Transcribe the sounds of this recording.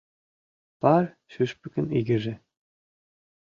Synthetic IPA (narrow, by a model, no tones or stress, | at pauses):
pɑr | ʃyʃpɘ̆kʲɘ̆niɡɘ̆ʒɘ̆